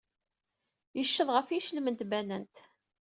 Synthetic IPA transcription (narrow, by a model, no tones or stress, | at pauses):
jəʃːəðˤʁəfiʃələmənt̪bænənt̪